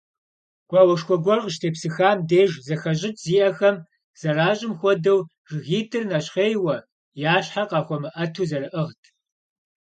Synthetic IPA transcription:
ɡ̥ʷʼɑːwɐʂxʷɔɡʷɔrʁəʃtʰeːpsɨxaːmdeːʒzɐxɐɕʼɪtʰʼz̥iːʔɐxɐm | z̥ɐraːɕʼɪmxʷɔdɐw | ʒɣiːdɨrnɐɕχeːjwɐ | jaːɕħaqɑːxʷɔmɨʔɐtʰuːzɐɾɨʔəʁtʰ

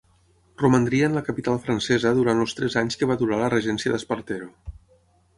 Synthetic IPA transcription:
rumənd̪ɾiəːnləkəpit̪alˠfɾənsɛzəðuɾant̪lˠst̪ɾɛzaɲskəβat̪uɾalərəʒɛnsiəðəspəɾt̪eɾo

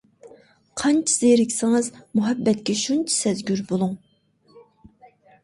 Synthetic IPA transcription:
qʰɑnt͡ʃʰi̥z̥ejɾɪkʲsɪŋɨzmuɦɛbːɛt̪kʲɛʃunt͡ʃʰi̥sɛzɡʲyɾbolˠuŋ

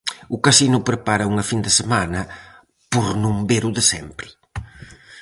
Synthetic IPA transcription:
ʊkɐsinʊpɾepaɾɐuŋɐfind̪esemanɐ | poɾnũmbeɾʊðɪsɛmpɾɪ̥

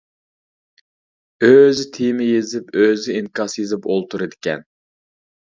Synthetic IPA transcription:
øzɪt̪ʰijmɪjezɪpøzɪinkɑsjezɪpolˠt̪ʰuɾɨd̪ɪkʲɛ̰n

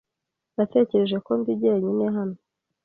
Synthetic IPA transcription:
nate̞ːce̞ɾe̞ʒe̞ko̞mbiɟeːɲineɦano

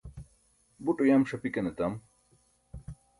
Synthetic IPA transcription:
buʈujaːmʂɐpikɐnet̪am

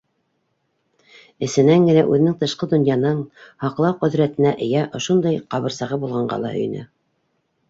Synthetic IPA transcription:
ɘ̆sɘ̆næŋɡɘ̆næʔʉ̰ðɘ̆nɘ̆ŋt̪ɤ̆ʃqɤd̪ŏnjɑnɤɴhɑqlˠɑwqɵ̆ðɾæt̪ɘ̆næʔɘ̆jæʔŏʃund̪ɑjqɑβɤ̆ɾsɑʁɤbulˠʁɑɴɢɑ̰lˠɑ̰ɵ̰̆j̰̆næ̰

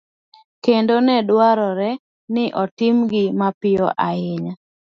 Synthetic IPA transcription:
kendonɛdwaɾɔɾɛ | nɪʔɔtɪmɡɪmapɪjɔʔaɪɲa

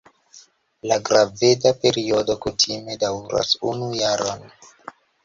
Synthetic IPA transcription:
laɡɾave̞dape̞ɾio̞do̞kutʰime̞dawɾa̰sunujaɾʔon

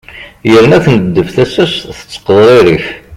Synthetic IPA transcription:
jəɾnæθnəd̪ːəfθæsæsθə̥t͡sːə̥qːðˤɾˤiɾiç

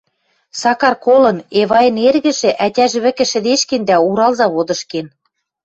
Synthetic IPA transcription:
sɑkɑrkolɤ̆neβɑjɤ̆nerɣɘ̆ʒĕʔætʲæʒĕβɘ̆kɘ̆ʃɘ̆d̪eʃkĕnd̪æuɾɑlzɑβod̪ɤ̆ʃken

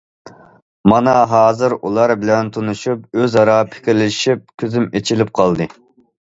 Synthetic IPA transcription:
mɑnɑɦɑːzɨɾulˠɑɾbɪlɛnt̪ʰonuʃup̚øzɑɾɑpʰɪ̥kʲʰiɾlɪʃip̚kʲʰøzymet͡ʃʰilɪp̚qʰɑlˠd̪ɨ

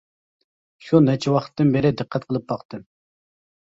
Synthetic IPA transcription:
ʃunɛt͡ʃʰɛwɑχə̥t̪ːɨnbɪɾɪd̪ɨqʰːɛt̪̚qʰəlˠɨp̚bɑqt̪ɨ

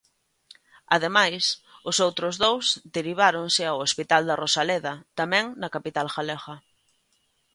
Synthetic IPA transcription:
aðemajsʊsowt̪ɾʊzðowzd̪eɾiβ̞aɾoŋsɪawospit̪ald̪ɐrosaleðɐt̪amɛ̃ŋnɐkapit̪alxaleɣɐ

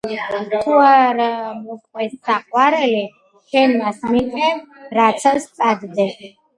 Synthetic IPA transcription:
t̪ʰuaɾamɔkʼwɛsːaqʼwaɾɛli | ʃɛnmasmikʼɛɾat̪sʰast̪sʼad̪d̪ɛ

